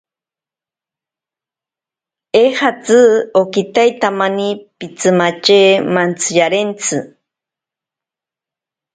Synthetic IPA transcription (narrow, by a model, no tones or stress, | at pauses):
ehat͡sɨokit̪ajt̪amanipit͡sɨmat͡ʃeːmant͡sʰɨjaɾent͡sʰɨ